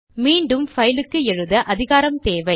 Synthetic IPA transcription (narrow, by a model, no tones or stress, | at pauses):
miːɳɖɯmfɐjɪlɯkːɯɛɻɯðɐʔɐðɪɣaːɾɐmt̪eːʋɐɪ